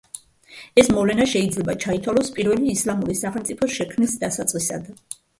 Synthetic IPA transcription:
ɛsmɔvlɛnaʃɛid̪zlɛbat͡ʃʰait̪ʰwalɔspʼiɾvɛliːslamuɾisaχɛmt̪sʼipʰɔʃɛkʰmilsd̪asat̪sʼqʼisa̰d̪

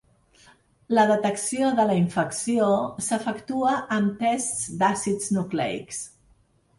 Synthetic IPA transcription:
ləðət̪əksioðələiɱfəksiosəfəkt̪uəʔənt̪ɛstsd̪asid͡znuklɛ̰ḭks

